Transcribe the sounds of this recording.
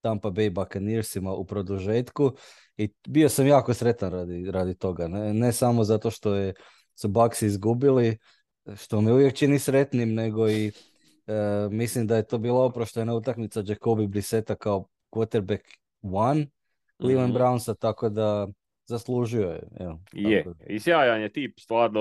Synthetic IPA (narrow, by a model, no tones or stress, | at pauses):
t̪ampabejbakaniɾsimaʔupɾo̞d̪uʒeːt̪ku | ibio̞samjaːkosɾe̞t̪anɾad̪iɾad̪it̪o̞ɡane̞samozat̪o̞ʃt̪o̞je | subaksiizɡubili | ʃt̪o̞miuʋjekt͡ʃinisɾe̞t̪nimne̞ɡo̞i | mislimd̪ajet̪o̞ːbiːlˠaupɾoʃt̪enaut̪akmit̪sad͡ʒekobibɾise̞t̪akao | kwot̪eɾbek | ʋan | lilanbɾaunsat̪ako̞d̪a | zaslˠuʒiojɛ̰ḛlt̪jaekoizjaːjaɲet̪iːpst̪ʋaːɾd̪